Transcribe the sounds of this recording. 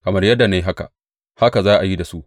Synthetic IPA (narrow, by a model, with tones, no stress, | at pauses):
kɐ˨mɐ˦rjɐ˦dːa˨ne˦jɦa˦ka̰˨ʔ | ha˦ka˨zaː˦ʔa˨ji˦da˨su˦ʔ